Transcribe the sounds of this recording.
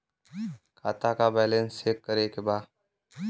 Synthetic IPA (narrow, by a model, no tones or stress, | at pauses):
kʰaːt̪aːkabɛːlẽnseːkːəɾeːkebaː